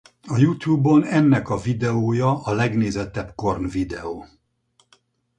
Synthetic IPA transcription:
ɒjut̪juːbo̞nɛnːɛkɒvid̪ɛoːjɒɒlɛɡneːzɛt̪ɛbko̞rnvid̪ɛ̰oː

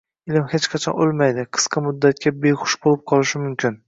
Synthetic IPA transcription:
ɪlɪmhet͡ʃqʰɑt͡ʃʰɒ̰nolˠmajd̪ɪqʰɨ̥sqʰɑmʊd̪ːat̪̚kʲabejχʊ̥ʃbolˠɪp̚qʰɒlˠɪʃɪmʊmkʲʰɪn

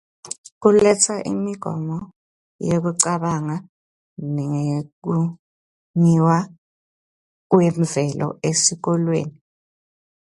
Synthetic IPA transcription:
k̬ulɛt͡sʰaʔḭmiɡ̥ʱɔ̰mɔ | jek̬uǀaɓaŋa | niŋek̬u | ɲiwa | k̬wem̩vɛlʔɔ̰esik̬ɔlwḛːni

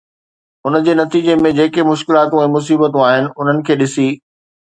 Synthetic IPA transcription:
ʊnəd͡ʑeːnɐt̪iːd͡ʑemẽd͡ʑeːkemʊʃkɪlaːt̪ũɛ̃ːmʊs̬iːbət̪ũaːɦɪnɪ̆ʊn̤ənɪ̆kʰeːɗɪsiː

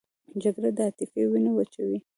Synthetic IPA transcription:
d͡ʒaɡɾad̪əat̪ɪfewinawat͡ʃawi

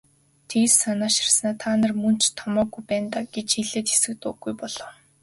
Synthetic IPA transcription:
t̪ʰiːsanaːʃi̥rsnaːt̪ʰaːnə̆rmɵn̥t͡ɕt̪ʰɔmɔːɡujpæːnt̪aːɡ̥et͡ɕiɮeːt̪xe̥sɘ̆k̚t̪ʊɡːujpɔɮ̥ɞ̆ːw

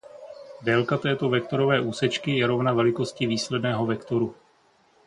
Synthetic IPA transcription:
dɛːlkat̪ɛːt̪o̞vɛk̚t̪o̞ɾo̞vɛːʔuːsɛt͡ʃkɪjɛɾo̞vnavɛlɪko̞scɪviːslɛdnɛːɦo̞vɛkt̪o̞ɾu

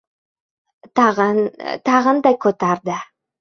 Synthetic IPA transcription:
t̪ʰɑʁənd̪ɑjkʰɵt̪ɑɾd̪ə

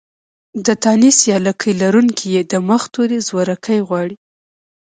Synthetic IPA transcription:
d̪ət̪ɑnisjɑlakʰəjlaɾuŋkʰijed̪əməxt̪oɾezwaɾakʰajɣwɑɽi

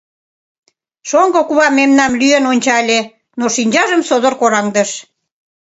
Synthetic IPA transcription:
ʃoŋɡokuβɑmːemnɑmlyenonʲt͡ɕɑlʲe | noʃinʲd͡ʑɑʒəmsod̪orkoɾɑŋd̪əʃ

